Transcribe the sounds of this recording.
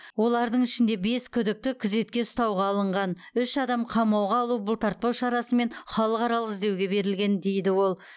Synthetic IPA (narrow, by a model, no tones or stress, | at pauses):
wo̞lˠɑɾd̪əɴɪʃɪnd̪e̞be̞skʲʰʏd̪ɪk̚t̪ɪkʲʰʏze̞t̪̚kʲe̞ʊst̪ɑwʁɑːlˠəɴʁɑn | ʏʃɑd̪ɑmqʰɑmɑwʁɑːlˠubʊlˠt̪ʰɑɾt̪̚pɑwʃɑɾɑsəme̞nχɑlˠəqɑɾɑlˠəɪzd̪ewɡʲe̞be̞ɾɪlɡʲe̞nd̪e̞jd̪ɪwo̞lˠ